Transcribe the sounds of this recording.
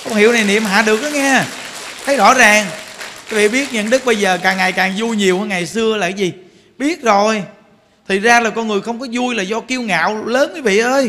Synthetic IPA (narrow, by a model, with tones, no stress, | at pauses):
kɔ˧wŋ͡mhi˧˨əwna˨˩jnḭ˨əmɦa̰ː˧˨˩ɗɨ˨˩ək̚ɗɔ˨˦ŋɛ˧ | t̪ʰə˨˦jzɔ̰˧˥zaː˨˩ŋkaː˨˦vḭ˧˨ɓi˦˥ət̚ɲə̰˧˨nɗɨ˦˥k̚ɓə˧jzəː˨˩kaː˨˩ŋːa˨˩jkaː˨˩ŋzu˧jɲi˨˩əwhəː˧ŋa˨˩jsɨ˧əlaː˨˩˨jzi˨˩ | ɓi˦˥ət̚zo˨˩j | t̪ʰi˨˩k̚zaː˧laː˨˩kɔ˧nŋɨ˨˩əjxə˧wŋ͡mkɔ˨˦zu˧jlaː˨˩zɔ˧ki˧əwŋa̰ː˧˨wləː˨˦nkaː˨˦vḭ˧˨ʔəː˧j